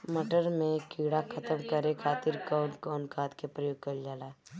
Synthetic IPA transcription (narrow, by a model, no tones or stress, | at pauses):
məʈəɾmẽkiːɽakʰət̪əmkəɾekʰaːt̪ɪɾkaːnkɔːnkʰaːt̪kepɾəjoːɡ̚kəld͡ʒaːlaː